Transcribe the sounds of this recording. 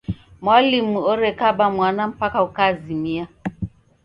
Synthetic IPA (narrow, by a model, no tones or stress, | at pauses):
mwalimuɔɾɛkabamwanam̩pakaukazimia